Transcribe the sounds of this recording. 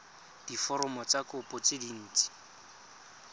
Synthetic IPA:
d̥ifɔɾɔmɔt͡sakʊpʼʊt͡sɪdin̩ːt͡sʼi̥

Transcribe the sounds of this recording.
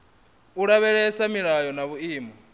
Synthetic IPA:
uɺaβɛɺɛsamiɺajɔnaβuiːmɔ

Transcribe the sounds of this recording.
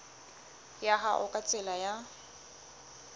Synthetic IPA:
jaɦaʔʊkʼat͡sʼɪlaja

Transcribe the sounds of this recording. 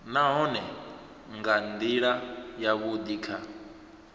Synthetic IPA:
naɦɔnɛ | ŋɡand̪iɺajaβud̪iːkʰa

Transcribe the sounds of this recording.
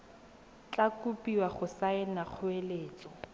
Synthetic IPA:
t͡ɬakupʼiwaχʊsaɪnaq͡χʰʊeleːt͡sɔ

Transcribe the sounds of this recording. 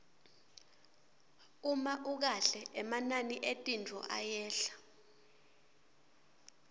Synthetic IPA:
umaʔuk̬aɬɛʔɛmananiʔetʼind͡vʱɔ̰ʔajɛːɬḁ

